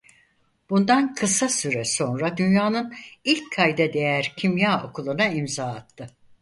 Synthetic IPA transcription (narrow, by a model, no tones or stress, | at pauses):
b̥und̪ankʰɯsasyɾɛso̞nɾad̪ynjaːnɯnilʲcʰkʰajd̪ɛd̪e̞jæɾcʰimjaːo̞kʰulˠunaimzaːt̪ʰːɯ